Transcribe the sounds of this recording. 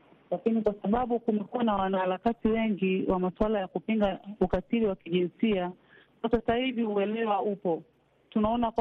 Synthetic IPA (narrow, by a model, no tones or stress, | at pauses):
lakinikwasaɓaɓukumɛkuanawanahaɾakatiwɛŋɡiwamaswalajakupiŋɡaukatiɾiwakiʄinsia | sasaiviuɛlɛwaupɔ | tunaɔnakw